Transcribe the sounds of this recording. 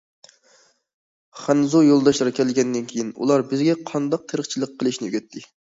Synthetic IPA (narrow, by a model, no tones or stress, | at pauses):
χænɨzojolˠd̪ɑʃt̪ɨɾɑkʲʰɛlɪɡʲɛnd̪ɪnkʲʰejinṵlˠɑɾbɪzɡʲɛqʰɑnd̪ɑq̚t̪ʰəɾəχt͡ʃʰilˠəqʰːəlˠɨʃnɪjyɡʲɛt̪ʰːɪ